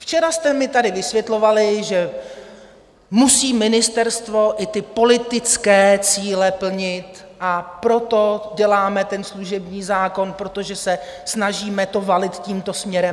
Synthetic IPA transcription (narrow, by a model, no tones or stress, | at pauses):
ft͡ʃɛɾast̪ɛmɪt̪adɪvɪsvjɛt̪lo̞valɪʒɛ | musiːmɪnɪst̪ɛɾst̪vo̞ʔɪt̪ɪpo̞lɪt̪ɪt͡skɛːt͡siːlɛpl̩ɲɪt̪ | ʔapɾo̞t̪o̞ɟɛlaːmɛt̪ɛnsluʒɛbɲiːzaːko̞npɾo̞t̪o̞ʒɛsɛsnaʒiːmɛt̪o̞valɪt̪ciːmt̪o̞smɲɛɾɛm